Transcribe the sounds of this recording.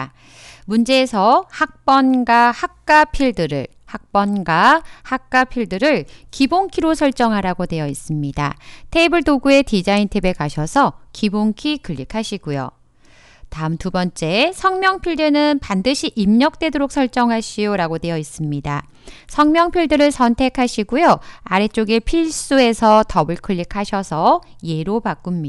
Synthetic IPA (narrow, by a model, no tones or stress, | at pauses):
mund͡ʑe̞ːsʰʌhak̚p͈ʌnɡwahak̚k͈apʰiɭdɯɾɯ̰ɭ | hak̚p͈ʌnɡwahak̚k͈apʰiɭdɯɾɯɭkiboŋkʰiɾosʰʌɭt͡ɕ͈ʌŋɦaɾaɡodwe̞jʌis͈ɯmɲida̰tʰe̞ibɯɭdoɡue̞tid͡ʑaintʰebe̞kaɕʰʌsʰʌkiboŋkʰikɯʎːikʰaɕʰiɡujo̰ | taɯmtubʌnt͡ɕ͈e̞sʰʌŋmjʌŋpʰiɭdɯnɯnpandɯɕʰiʔimɲʌk̚t͈we̞doɾok̚sʰʌɭt͡ɕ͈ʌŋɦaɕʰijoɾaɡode̞jʌis͈ɯmɲida | sʰʌŋmjʌŋpʰiɭdɯɾɯɭsʰʌntʰe̞kʰaɕʰiɡujoaɾe̞t͡ɕ͈oɡepʰiɭs͈ue̞sʰʌtʌbɯɭkʰɯɭːikʰaɕʰʌsʰʌje̞ɾopak͈umɲi